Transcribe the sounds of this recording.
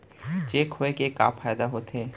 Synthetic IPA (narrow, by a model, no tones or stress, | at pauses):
t͡ʃeːkhoekeka̰ːfʰaːjd̪aɦoːt̪eː